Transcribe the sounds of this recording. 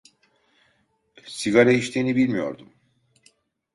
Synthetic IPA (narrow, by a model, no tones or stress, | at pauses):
siɡaɾaiʃt̪ʰenibilʲmijo̞̰ɾd̪um